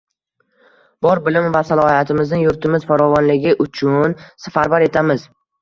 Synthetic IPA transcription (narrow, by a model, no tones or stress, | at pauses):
b̥ɒɾbɪlɪmvasalˠɒhat̪ʰɪmɪznɪŋjʊɾt̪ʰɪmɪz̥faɾɒvɒnlɪɡʲɪʔʊt͡ʃʰʊnsafaɾbaɾe̞t̪ʰamɪz̥